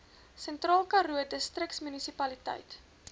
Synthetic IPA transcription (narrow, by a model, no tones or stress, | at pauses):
sɛntrɑːlˠkɐruədəstrəktsmynisipɐlitə̰jt